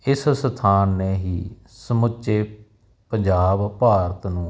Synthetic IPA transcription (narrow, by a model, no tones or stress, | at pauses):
ɪsst̪ʰaːnːeːɦiː | səmʊt͡ʃeː | pəɲd͡ʒaːbpaːɾət̪nũː